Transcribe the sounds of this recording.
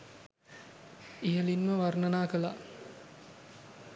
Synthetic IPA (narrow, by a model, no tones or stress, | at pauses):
ijəlinməʋarnənaːkəla̰